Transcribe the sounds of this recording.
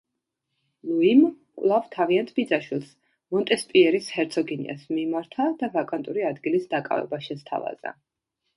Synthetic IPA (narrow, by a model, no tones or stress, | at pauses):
lˠuim | kʼwlˠavt̪ʰaviant̪ʰbid̪zaʃwilˠs | mɔnt̪ʼɛspʼiɛɾishɛɾt̪sʰɔɡinḭa̰smimaɾt̪ʰad̪avakʼant̪ʼuɾiad̪ɡilisd̪akʼa̰vɛ̰baʃɛst̪ʰa̰va̰z̥a̰